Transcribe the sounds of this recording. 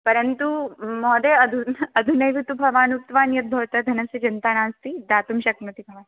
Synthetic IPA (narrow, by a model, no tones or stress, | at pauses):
pɐɾɐnt̪umɔːd̪eɐd̪ʱuɐd̪ʱunɐjʋit̪ubʱɐʋaːnuk̚t̪ʋaːnjɐt̪̚bʱɐʋt̪ɐd̪ʱɐnɐsjɐd͡ʒɐnt̪aːnaːst̪id̪aːt̪umɕɐkmɐt̪ibʱɐʋaːn